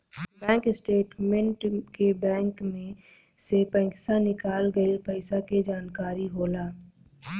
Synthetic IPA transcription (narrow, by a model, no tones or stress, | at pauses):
bɛ̃ːŋkɪsʈeːʈmẽɳʈkebɛ̃ːŋkmẽ | sepɛ̃ɪksanɪkaːlɡəipɐɪsaked͡ʒaːnkaːɾiɦoːlaː